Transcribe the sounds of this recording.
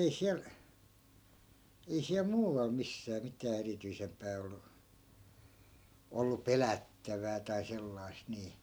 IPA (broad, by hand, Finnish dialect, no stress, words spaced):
ei siæl ei siæl muːʋ̆ɑl misːæː mitæː erityisempæː olːu olːu pelætːæʋæː tɑi selːɑi̯st niː